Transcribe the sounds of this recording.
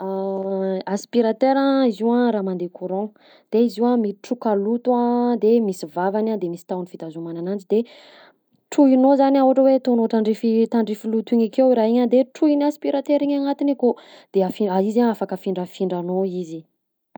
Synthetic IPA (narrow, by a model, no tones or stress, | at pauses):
a | aspiɾat̪eɾãiziwãɾaːmand̪ekʰuɾɔ̃ | d̪̥eiziwamiʈ͡ʂukalut̪uãd̪emisivavanad̪emisi̥t̪awnifit̪azumananand͡ʒid̪e | ʈ͡ʂuinozanauaʈ͡ʂəwet̪onoʈ͡ʂaɳɖ͡ʐifit̪aɳɖ͡ʐifilut̪iɲakewiɾaɦiɲad̪eʈ͡ʂuinaspiɾat̪eɾiɲaŋat̪inekod̪̥eafiaizaŋafakəfiɳɖ͡ʐəfiɳɖ͡ʐanoizi